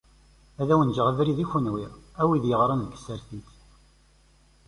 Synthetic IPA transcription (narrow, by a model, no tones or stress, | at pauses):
æðæwənʒəʁəvɾiðiçunwiʁæwiðjəʁɾˤənðɡə̥sːəɾθiθ